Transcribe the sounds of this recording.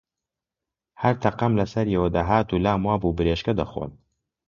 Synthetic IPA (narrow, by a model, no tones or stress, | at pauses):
hɐɾt̪ʰɐqɐmlɐsɐɾjɛwɐd̪aːɦaːt̪uːlaːmwaːbuːbɨɾeːʃkɐd̪ɐxo̰ːn